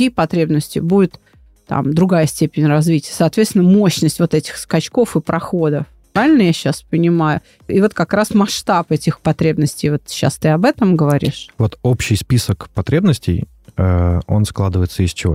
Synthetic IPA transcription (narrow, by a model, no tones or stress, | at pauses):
ijəpɐt̪ɾʲe̞bnəsʲtʲɪ̰budʲʊɪt̪ | t̪a̰md̪ɾʊɡajəsʲtʲepʲɪnʲrɐzvʲitʲɪjəsɐːt̪vʲet̪sʲɪnəmo̞ɕnəsʲtʲvo̞t̪ɛtʲɪ̥xskɐt͡ɕko̞fɨpɾʔɐxo̞d̪əf | pɾavʲɪlʲnəjaɕːaspənʲɪmajʊ | ivo̞t̪kɐkɾasmɐʂt̪apɛtʲɪxpɐt̪ɾʲe̞bnəsʲtʲɪjvo̞t̪ɕːa̰st̪ɨɐbɛt̪əmɡəvɐɾʲḭʂvo̞t̪opɕɪjspʲisəkpɐt̪ɾʲebnəsʲtʲɪ̰j | əo̞̰nsklˠad̪ɨvəjɪt̪səɪsʲt͡ɕɪvo̰